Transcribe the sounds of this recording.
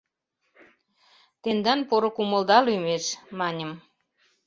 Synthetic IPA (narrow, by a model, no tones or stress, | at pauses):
t̪end̪ɑnpoɾokuməld̪ɑlymeʃmɑnʲəm